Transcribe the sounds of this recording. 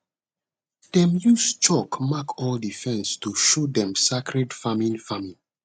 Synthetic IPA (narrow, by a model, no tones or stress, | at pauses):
d̥ɛ̃mjust͡ʃɔkmakʰɔldifɛ̃nstuʃudɛ̃msakʰɹɛdfamĩnfamĩn